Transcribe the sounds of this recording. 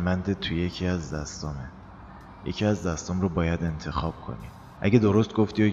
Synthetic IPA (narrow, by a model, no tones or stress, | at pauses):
mænd̪et̪ʰuje̞cʰiæzd̪æst̪ɒme | jḛcʰiæzd̪æst̪ɒmrobɒːjæd̪e̞nt̪ʰe̞xɒːb̥̚kʰo̰nḭ | ʔæɟe̞d̪oɾost̪̚ɡoft̪iːo